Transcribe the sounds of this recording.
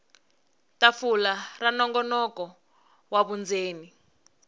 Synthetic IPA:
tafularanɔŋɡɔnɔkɔ | waβund͡zeːni

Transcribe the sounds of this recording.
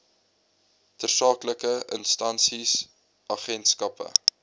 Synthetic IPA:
tərsɑːkləkəʔənstɐnsis | ʔɑːχɛntskɐpə̰

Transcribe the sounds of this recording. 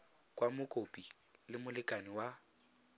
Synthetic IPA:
kʼwamʊkʼopʼi | lɪmʊlɪkʼaniwa

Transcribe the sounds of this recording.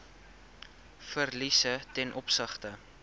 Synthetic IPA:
fərlisətɛnʔɔpsəχtə

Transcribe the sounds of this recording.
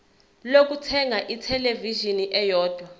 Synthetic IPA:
lok̬utʰɛŋʱaʔitʰɛleviʒiniʔɛjɔːd̥ʱwa

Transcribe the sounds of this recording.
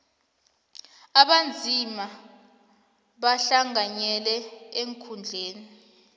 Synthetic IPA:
aɓand͡zʱima | ɓaɬaŋaɲɛlɛeŋkʰund͡ɮʱeːni

